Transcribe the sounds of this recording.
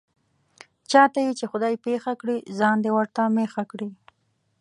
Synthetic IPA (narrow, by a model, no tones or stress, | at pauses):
t͡ʃɑt̪ajet͡ʃexʊd̪ɑjpexakɽizɑnd̪ewaɾt̪amexakɽi